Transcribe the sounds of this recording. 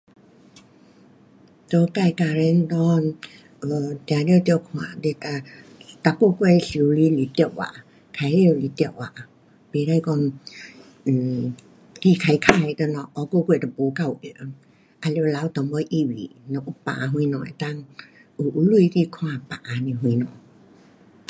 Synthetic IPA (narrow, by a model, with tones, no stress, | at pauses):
t̪ɔ˧˦ka˧˨jka˧ɾɛ˧nd̪ɔ˧n | ʔə˨t̪a˨˧˦li˧˨t̪i˧˨wkʰwa̰˧˨de˧t̪a˧t̪a˧˦ko˥˧kwe˧˨jsi˨˦wli˧˦li˨˦t̪i˧˨wwa̰˨ | kʰa˧ji˧˨wli˧˦t̪wa̰˧˨ | pe˨˦ɾa˧jkɔ˧˨n̩˨˩ | ki˧˨kʰa˧jkʰa˧˨jt̪ə˧nɔ˧ʔɔ˧˦ko˥˧kwɛ˧˨t̪a˨po˨˦ka˧˨u˧ʔɛ˧˨˦ŋ | ʔa˧lla˨˧˦u˧t̪ɔ˨˦ŋbɔ˧˦ʔi˧˨wḭ˨nɔ˧˨ʔu˧˦pa̰ː˨ɦwĩ˧˦nɔ˨ɛ̰˨t̪a˧˨ŋu˨ʔu˧˦lu˧jki˧kʰw̃ã˧˨pa˨˦ni˧˨ɦwĩ˧˦nɔ̰˨